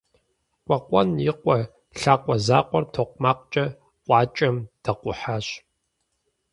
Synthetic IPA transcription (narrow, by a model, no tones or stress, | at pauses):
kʷʼɐqʷʼɔnjɪqʷʼɔ | ɬaːqʷʼɔzaːqʷɔrtʰoːqʷmaːq̚ʷt͡ʃʼɐ | ʔʷʼɑːt͡ʃʼɐmd̥ɐqʷʼʊħaːɕ